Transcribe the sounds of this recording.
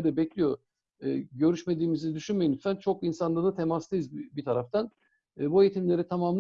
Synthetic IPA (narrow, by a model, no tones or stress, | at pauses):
ɾd̪ɛbɛclʲijo̞ | ɟø̞ɾyʃme̞d̪iːmizid̪yʃynmejinmsænt͡ʃʰo̞k̚insanˠaɾd̪at̪ʰe̞maslˠɯjɯzbit̪ʰaɾaft̪ʰanː | bue̞jit̪ʰimlʲe̞ɾit̪ʰamaːmlˠ